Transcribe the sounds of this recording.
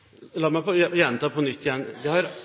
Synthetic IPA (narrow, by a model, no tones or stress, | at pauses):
lɑːmæpɔjɛnt̪ʰɑːpʰɔnʏt̪ʰːɪjɛnːd̪ɛhɑɾ